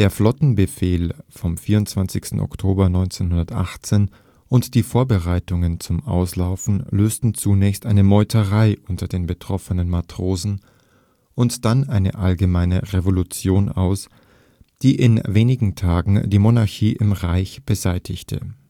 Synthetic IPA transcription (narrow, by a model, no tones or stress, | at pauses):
d̥eːɐflɔtn̩bəfeːlfɔmfiːɐʊntt͡sv̥ant͡sɪçstn̩ʔɔ̰ktʰoːbɐnɔʏnt͡senhʊndɐtʔa̰χt͡seːn | ʔʊntd̥iːfoːɐbəʁaɪtʊŋənt͡sʊmʔa̰ʊslaʊfn̩løːstn̩t͡sunɛːçstʔaɪnəmɔʏtʰəʁaɪʔʊntɐdeːnbətʁ̥ɔfənənmatʁ̥oːzn̩ | ʔʊntd̥anʔaɪnə̰ʔalɡəmaɪnəʁevolut͡sjoːna̰ʊs | d̥iːʔɪnveːnɪɡŋ̩tʰaːɡŋ̩diːmonaɐçiːʔɪmʁaɪçb̥əzaɪtʰɪçtʰə̰